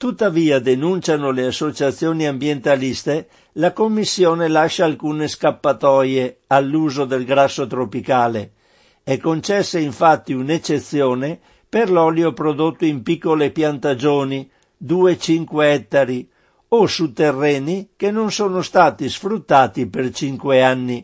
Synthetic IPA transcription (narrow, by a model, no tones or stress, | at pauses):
t̪ut̪ːaviːad̪enunt͡ʃanoleasːot͡ʃat̪sjoːniambjent̪alist̪e | lakomːisːjɔːnelaʃːaːlkuːneskapːat̪ɔjealːuːzod̪elɡɾasːot̪ɾopikaːle | ɛkːont͡ʃɛsːeiɱfat̪ːiunet͡ʃːet̪sːjɔːne | perlɔljopɾod̪ot̪ːoimpikːolepjant̪ad͡ʒoːni | d̪uːet͡ʃiŋkweɛt̪ːaɾi | osut̪ːerːɛːnikenːonsoːnost̪aːt̪isfɾut̪ːaːt̪ipert͡ʃiŋkweanːi